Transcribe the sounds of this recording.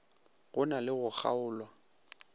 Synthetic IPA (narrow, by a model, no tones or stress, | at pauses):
ɣʊnalɪɣʊk͡xʰa̰ʊːlwa